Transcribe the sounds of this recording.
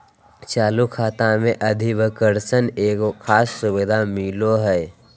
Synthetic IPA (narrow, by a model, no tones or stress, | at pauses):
t͡ʃaːlukʰaːt̪ãmẽʔəd̪ʱiʋəkəɾsəneːkkʰaːsːʊbɪd̪ʱamiloɦɛː